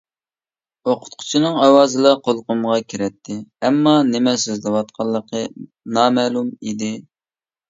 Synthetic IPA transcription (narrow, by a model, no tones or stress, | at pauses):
oqʰʊ̥t̪qʰʊ̥t͡ʃʰinɨŋɑwɑːzɨlˠɑqʰolˠqʊmʁɑkʲʰiɾɛt̪ʰːɪɛmːɑnɪmɛsøzlɪwɑt̪̚qʰɑlˠːəqʰə | nɑmɛlˠumid̪ɪ